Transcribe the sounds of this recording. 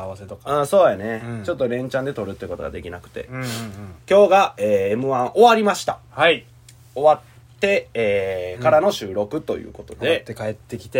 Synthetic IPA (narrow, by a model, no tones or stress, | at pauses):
aβaset̪okaɯ̃ːso̞ːjane̞t͡ɕo̞t̪ːo̞ɾẽ̞ɲ̟t͡ɕãnd̪e̞t̪o̞ɾɯ̟t̪ːei̟ko̞t̪o̞ɡa̰d̪e̞kʲinakɯ̟̥t̪e̞̰ | kʲo̞ːɡaeːmɯ̟βãɰ̃ʔo̞βaɾʲimaɕi̥t̪a̰ha | o̞βat̪ːe̞eːkaɾano̞ɕɨːɾo̞kɯ̟t̪o̞̰jɯ̰ːko̞t̪o̞d̪e̞ekaet̪ːekʲi̥t̪e